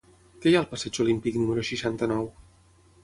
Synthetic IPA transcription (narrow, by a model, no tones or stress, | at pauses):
kɛjaəlˠpəsɛd͡ʒulimpiknuməɾuʃiʃant̪ənɔw